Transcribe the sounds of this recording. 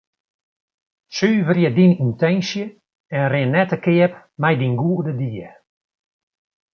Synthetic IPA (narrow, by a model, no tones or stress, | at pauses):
syːvərjədinintɛnsjə | ɛnrɪnːɛtəkɪəp | mɛjdinɡuədədiə